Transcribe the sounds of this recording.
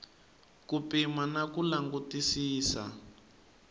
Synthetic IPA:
kupimanakulaŋɡutisiːsa̰

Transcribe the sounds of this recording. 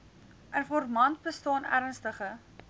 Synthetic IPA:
ʔənfɔrmɐnt̚bəstɑːnæ̰ɾənstəχə

